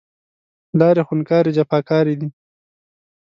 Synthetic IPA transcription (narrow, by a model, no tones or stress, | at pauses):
lɑːɾexʊnkɑːɾed͡ʒapɑkɑːɾid̪i